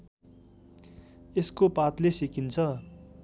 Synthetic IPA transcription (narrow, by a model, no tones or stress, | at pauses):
eskopat̪lesikint͡sʰʌ